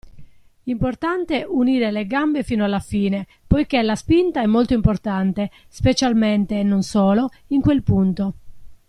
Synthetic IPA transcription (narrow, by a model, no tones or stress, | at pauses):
import̪ant̪eʔuniːɾeleɡambefiːnoalːafiːne | pojkelaspint̪aɛmːolt̪oimport̪ant̪e | spet͡ʃalment̪eːnːonsɔːlo | iŋkwelpunt̪o